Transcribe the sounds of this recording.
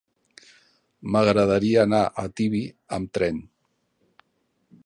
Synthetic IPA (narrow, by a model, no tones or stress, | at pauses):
məɣɾəðəɾiəːnaʔət̪iβi | əmt̪ɾɛn